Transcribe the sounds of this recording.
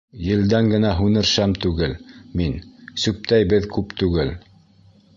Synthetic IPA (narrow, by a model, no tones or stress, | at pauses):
jɘ̆ld̪æŋɡɘ̆næɦʉnɘ̆ɾʃæmt̪ʉɡɘlminsʉp̚t̪æjbɘðkʉpt̪ʉɡɘl